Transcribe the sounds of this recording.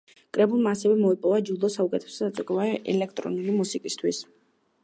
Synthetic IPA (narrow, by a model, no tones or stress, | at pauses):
kʼɾɛbulˠmaːsɛvɛmɔipʼɔvad͡ʒud̪ɔsaukʼɛt̪ʰɛ̥sad̪at̪sʼukʼɛvaɛʔɛ̰lɛk̚ʰt̪ʼɾɔ̰nulimusikʼist̪ʰwis